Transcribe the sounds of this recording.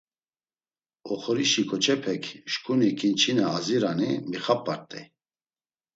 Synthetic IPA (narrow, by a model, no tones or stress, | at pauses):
ɔχɔɾiʃikʰʼɔt͡ʃʰɛpʰɛkʰʃkʰʼunikʰʼint͡ʃʰinɛaziɾanimiχapʼːaɾt̪ʼɛ